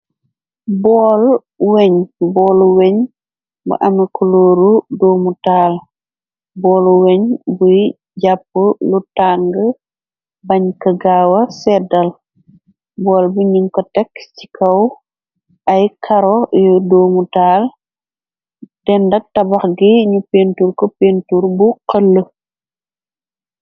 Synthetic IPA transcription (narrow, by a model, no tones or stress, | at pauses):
bɔːl | wɛɲbɔːluweɲ | bṵʔɐmɛkʰuloːɾudoːmutaːl | bɔːluweɲbuj | ɟapːəlutaŋɡə | bɐɲkɐɡawɐsɛdɐl | bɔːlbuɲiŋkɔtɛkt͡ʃi̥kʰɐw | ʔɐjkʰɐɾɔjɔdoːmutaːl | d̥ɛndɐk̚tɐbɐxɡiɲupentuɾkɔpentuɾbuqɐlːə